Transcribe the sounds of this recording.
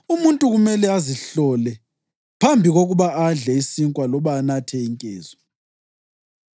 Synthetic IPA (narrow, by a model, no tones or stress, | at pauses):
umuntʼuɣumɛlɛaziɬɔlɛ | pʰambʱiɣoɣuβaʔaɮɛisiŋkʼwalɔβanatʰɛiŋkʼḛːzɔ